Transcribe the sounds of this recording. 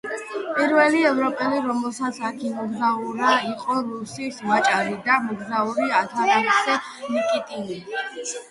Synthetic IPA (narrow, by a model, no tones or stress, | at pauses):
pʼiɾvɛliɛvɾɔpʼɛliɾɔmɛlˠsat̪sʰakʰimɔɡzauɾaiqʼɔɾusisvat͡ʃʼaɾid̪amɔɡzauɾiat̪ʰaɾɛksɛ | mikʼit̪ʼini